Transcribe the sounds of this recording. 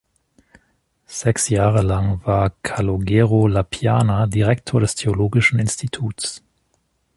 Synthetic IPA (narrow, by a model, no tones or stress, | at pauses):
z̥ɛksjaːʁəlaŋvaːɐkʰaloɡɛːʁolapʰjaːnadiʁɛktʰoːɐdɛstʰeoloːɡɪʃn̩ɪnstʰitʰuːts